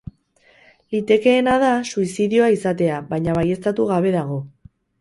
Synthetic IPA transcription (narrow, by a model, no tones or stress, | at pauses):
lit̪e̞ke̞ːnað̞asuisiðio̞aisat̪e̞aβajɲaβ̞aje̞st̪at̪uɣaβ̞e̞ðaɣ̞o̞